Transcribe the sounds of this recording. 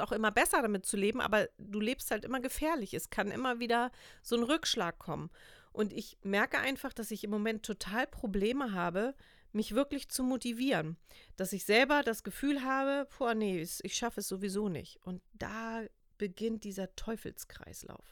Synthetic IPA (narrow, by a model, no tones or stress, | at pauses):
aʊxʔɪmɐbɛsɐdamɪt̚t͡suleːbm̩ʔa̰ːbɐd̥uːleːpst̚haltʔɪmɐɡəfɛːɐlɪçɛskʰanʔɪ̰mɐviːdɐz̥oːnʁʏkʃlaːkʰːɔmən | ʔʊntɪçmɛɐkəʔaɪnfaχd̥asɪçɪmːomɛntʰːotʰaːlpʁ̥obleːməɦaːbə | mɪçv̥ɪɐklɪçt͡sumotiviːʁənd̥asɪçz̥ɛlbɐdasɡ̥əfyːlɦaːbəpuɐnəɛsɪçʃafəɛsz̥ovizoːnɪ̰çtʔʊnt̚d̥aː | b̥əɡɪnt̚d̥iːzɐtʰɔʏfl̩skʁ̥a̰ɪsla̰ʊf